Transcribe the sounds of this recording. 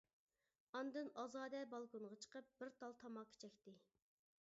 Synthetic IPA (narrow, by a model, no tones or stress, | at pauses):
ɑnd̪ɨnɑzɑːd̪ɛbɑlˠkonʁɑt͡ʃʰə̥qəp̚b̥ɪɾt̪ʰɑlˠt̪ʰɑmɑkʲʰe̥t͡ʃʰɛkʲt̪ɪ